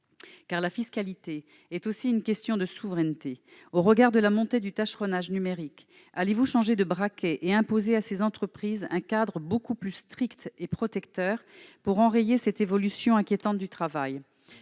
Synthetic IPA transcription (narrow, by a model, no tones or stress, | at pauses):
kaʁlafiskalit̪e | ɛt̪osiynkʲɛst̪jɔ̃d̪əsuvʁɛnt̪e | oʁəɡaʁd̪əlamɔ̃t̪ed̪yt̪aʃχɔnaʒnymeʁik | alevuʃɑ̃ʒed̪əbʁakʲɛʔeɛ̃pozeasezɑ̃t̪χəpχizɛ̰̃kad̪ʁəbokuplyst̪χikt̪epχɔt̪ɛkt̪œʁpuʁɑ̃ʁejesɛt̪evɔlysjɔ̃ɛ̃kʲjet̪ɑ̃t̪̚d̪yt̪χavaj